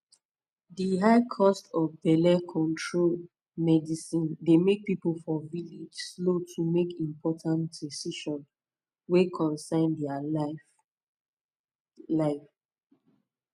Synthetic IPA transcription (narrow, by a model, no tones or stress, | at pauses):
diɦaɪkʰɔstʰɔvbɛlɛkʰɔ̃ntʰɹol | mɛdisĩndemek̚pipəl̩fɔvilid͡ʒslotʰumekʰĩmpʰɔtʰãntdisiʃɔ̃n | wekʰɔ̃nsãɪ̃ndɛa | laɪf